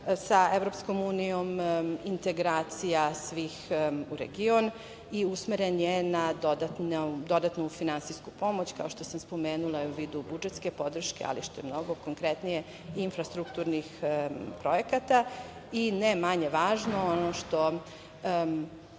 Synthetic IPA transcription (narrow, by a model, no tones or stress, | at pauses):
saeʋɾopsko̞muːnijo̞mint̪e̞ɡɾaːt̪sijasʋiːxuɾḛɡio̞n | iusmeɾenjenad̪od̪at̪nd̪o̞d̪at̪nufinansijsku̥po̞mo̞t͡ɕkao̞ʃt̪o̞samspo̞meːnulˠaiuʋiːd̪ubud͡ʒet̪ske̞po̞d̪r̩ʃke̞̰a̰liʃt̪ojemno̞ɡoko̞ŋkɾet̪nije | infɾast̪ɾukt̪uɾnixpɾo̞jekat̪a | inemaɲe̞ʋaːʒnoonoʃt̪o̞